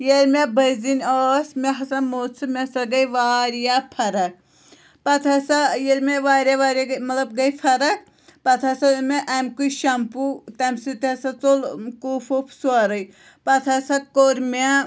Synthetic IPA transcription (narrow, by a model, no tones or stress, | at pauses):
jeɾmʲebɐzinʲɔsmeɦɐsɐmot͡sʰɨmʲɛsɐɡɐjʋaːɾjapʰɐɾɐk̚ | pɐt̪ʰɐsajeɾmeʋaːɾjaʋaːɾʲaɡmɐt̪ɐbɡɐjpʰɐɾɐk̚ | pɐt̪ʰɐsameʔɐmkuiʃɐmput̪ɐmsit̪eɐsat͡solkupʰopʰsaɾɐj | pɐt̪ʰɐsɐkoɾma